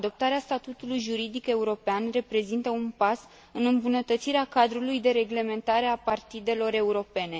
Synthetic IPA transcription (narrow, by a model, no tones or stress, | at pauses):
ad̪o̞p̚t̪aɾeast̪at̪ut̪ulujʒuɾid̪ike̞uɾo̞peanre̞pɾe̞zint̪əunpas | ɨnɨmbunət̪ət̪siɾeakad̪ɾulujd̪e̞ɾe̞ɡle̞me̞nt̪aɾe̞apart̪id̪e̞lo̞ɾe̞uɾo̞pe̞ne̞